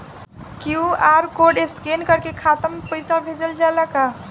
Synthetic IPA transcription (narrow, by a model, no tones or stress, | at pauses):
kjuaɾkoɖeskenkəɾkekʰat̪əmpəɪsabʱed͡ʒəld͡ʒalaka